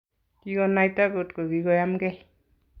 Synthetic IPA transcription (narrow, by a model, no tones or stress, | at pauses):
kiɡɔnajtaɡotkoɡiɡɔjamɡɛ